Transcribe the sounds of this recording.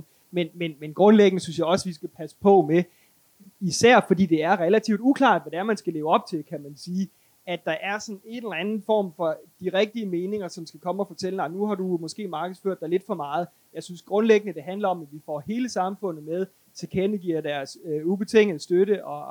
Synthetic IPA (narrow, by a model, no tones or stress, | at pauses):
menmenmenɡ̥ʁɔ̽nleɡ̥ənəsynsjɑ̈ɪɒ̽sʋisɡ̥æpʰæsə̥pʰɒ̽me | isæɐ̰fɒ̽d̥ḭːd̥e̝æɐʁɛlæt͡sʰḭʊd̥ukʰlɑ̈ːd̥ʋɒd̥eæɐmænsɡ̥æle̝ːʊɒ̽b̥̚t͡sʰe̝lkʰæmænsiː | æd̥ɑ̈ʔæɐsɒ̽ne̝nelɐænn̩fɒ̰ːmfɒ̽d̥iʁɛɡ̥̚d̥iəme̝ːne̝ŋɐsɒ̽msɡ̥ækʰɒ̽məɒfɒ̽t͡sʰelənɑ̈ɪnuhɑ̈dumɔ̽sɡ̥e̝̰ːmɑ̈ːɡ̥ð̩ˠsføɐ̰d̥ɑɪle̝d̥fɒ̽mɑ̈ːð̞̩ˠ | jɑ̈ɪsynsɡ̥ʁɔ̽nleɡ̥ənəd̥e̝ɦænlɐɒ̽mædʋifɒ̰he̝ːləsɑ̈mfɔ̽n̰ð̩ˠmeð̞ˠ | t͡sʰe̝kʰenəɡ̥iɐ̰d̥æɐsøub̥e̝t͡sʰeŋ̰ð̩ˠsd̥øɾəʔɒ̽